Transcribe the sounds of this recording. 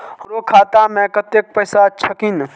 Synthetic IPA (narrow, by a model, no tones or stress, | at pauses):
ɾokʰaːt̪amɛ̃kət̪jek̚pɐjsat͡ʃʰɐkin